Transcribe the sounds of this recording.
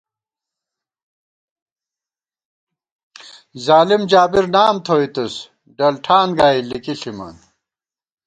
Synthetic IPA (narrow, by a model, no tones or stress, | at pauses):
zaːlimd͡ʑaːbiɾnaːmt̪ʰoːit̪us | ɖɐlʈʰaːnɡaːilikiɬimɐ̰n